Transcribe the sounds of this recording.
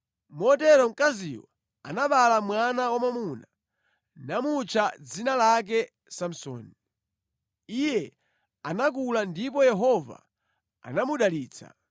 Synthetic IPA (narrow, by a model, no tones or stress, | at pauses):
mɔtɛɾɔm̩kazḭwa | a̰naɓalamwanawamamuna | namut͡ʃʰad͡zinalak̬ɛ | sam̩sɔ̰ːni | ijɛ | anak̬ulandipɔjɛɦɔva̰ | a̰namuɗaliːt͡sʰa̰